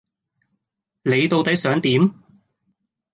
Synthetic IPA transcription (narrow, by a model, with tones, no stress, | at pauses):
ne˨˧jt̪o˧wt̪ɐ˨˥jsœː˨˥ŋt̪iː˨˥m